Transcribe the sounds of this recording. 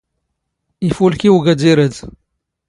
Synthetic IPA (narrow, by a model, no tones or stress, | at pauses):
ifulkiwɡæd̪iɾəd̪